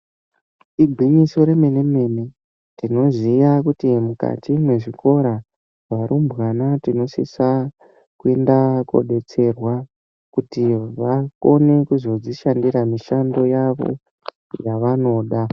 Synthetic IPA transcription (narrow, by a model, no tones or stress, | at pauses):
ibʱwiɲiso̞ɾe̞me̞ne̞me̞ne | tino̞ʐijakutimuka̰tʰimwe̞ʐiko̞ɾa | ʋaɾumbɣanatino̞sḭsa | kue̞ndako̰ɗe̞t͡se̞rwa | kutiʋako̞ne̞kuzo̞d͡ziʃandiɾamiʃando̞jaʋo̞̰ | jaʋano̞ɗa